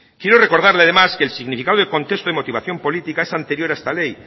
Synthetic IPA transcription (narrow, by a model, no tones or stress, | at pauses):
kje̞ɾore̞koɾð̞aɾleaðe̞maskelsiɣnifikaðoðeko̞nt̪e̞st̪oemo̞t̪iβaθjo̞mpo̞lit̪ikaesant̪eɾjo̞ɾaest̪ale̞j